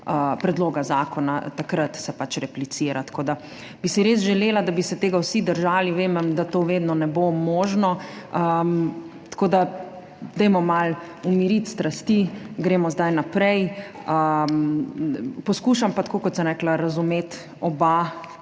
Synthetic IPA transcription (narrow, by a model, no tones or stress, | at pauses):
əpɾɛd̪loːɡazaːkɔna̰t̪akɾət̪sɛpat͡ʃɾɛplit̪siːɾat̪koːd̪a | bisiɾeːs̬ʒɛleːlad̪abisɛt̪eːɡawsid̪əɾʒaːliʋeːmɛmd̪at̪oːʋeːd̪nɔnɛbomoːʒnɔəmt̪koːd̪a | d̪ɛjmɔmal | umiɾit̪st̪ɾast̪iɡɾeːmɔzd̪ajnapɾɛjəm | pɔskuːʃampat̪kokɔt̪səmɾɛklaɾazumeːt̪ | ɔba